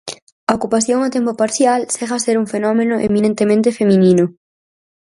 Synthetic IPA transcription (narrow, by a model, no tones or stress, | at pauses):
aokupaθjoŋat̪empopaɾθjalseɣaseɾuŋfenɔmenʊʔemĩnẽnt̪emẽnt̪efemĩnĩnʊ